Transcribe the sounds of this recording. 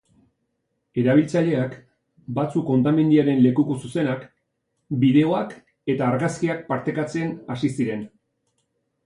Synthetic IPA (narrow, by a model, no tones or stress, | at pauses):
e̞ɾaβ̞ilt͡saʎe̞ak | bat͡suko̞nt̪amend̪iaɾe̞nle̞kukosuse̞nak | biðe̞o̞ak | e̞t̪aːɾɣaskiak̚paɾt̪e̞kat͡se̞nasisiɾe̞n